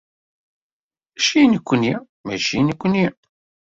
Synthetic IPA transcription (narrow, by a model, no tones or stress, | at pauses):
æʃinəkʷːəni | mæʃinəkʷːəni